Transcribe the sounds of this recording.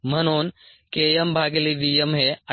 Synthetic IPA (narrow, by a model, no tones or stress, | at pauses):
m̤ənuːn | kejəmbʱaɡeliʋ̪ijəmɦeɐ